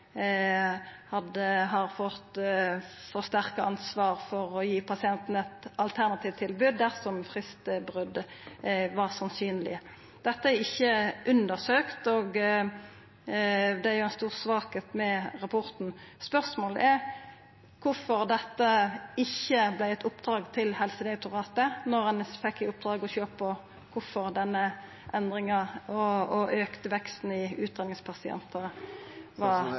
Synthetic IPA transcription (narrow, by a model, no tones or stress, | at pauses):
hɑd̪əɦɑɾfɔt̪ | fɔʁst̪æʁkəɑnsʋɑːʁfɔɾɔjiːpʰɑsɪɛnt̪n̩ɛt̪ɑlt̪ʰæʁnɑt̪ʰiːʋt̪ʰːɪlbʉːd̪d̪æʁsɔmfɾɪst̪əbʁʉd̪ | ʋɑʁsɑnsyːnəlɪ̰ə | d̪̥ɛt̪ːəæɾɪçːəʔʉnd̪əʁsøːkt̪oːɡ | d̪ɛæɾjʊɛnst̪uːʁsʋɑːket̪mɛʁɑpʰɔʁt̪n̩spœʁsmoːlə̰ʔæɾ | kʰʊfɔɾd̪ɛt̪ːəɪçːəblæɪɛt̪ʰʊpd̪̥ɾɑːɡt̪ʰɪlhɛlsəd̪ɛʊt̪ʊʁɑːt̪ənɔʁɛnfɛkːɪʊp̚d̪ɾɑːɡɔçøːpɔ | kʰʊfɔʁd̪ɛnːə | ʔɛnd̪ʁɪŋɑɔɔʔøːkt̪əʋɛkst̪n̩ɪʉːt̪̚d̪ɛnɪŋspʰɑsɪɛ̰nt̪ə | ʋɑʁ